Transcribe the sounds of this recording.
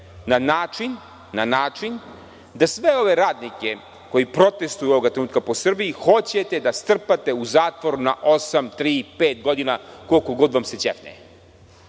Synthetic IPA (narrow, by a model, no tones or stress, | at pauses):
nanaːt͡ʃinː | anaːt͡ʂin | d̪asʋe̞o̞ʋe̞ɾaːd̪nike | ko̞jipɾo̞t̪e̞st̪ujuo̞ʋoɡat̪ɾenuːt̪̚kapo̞sr̩bijixo̞t͡ɕe̞t̪e̞d̪ast̪r̩pat̪e̞uzaːt̪ʋoɾunaʔo̞samt̪ɾiːpeːt̪̚ɡo̞d̪inako̞lko̞ɡo̞d̪ʋamse̞t͡ɕḛfnḛ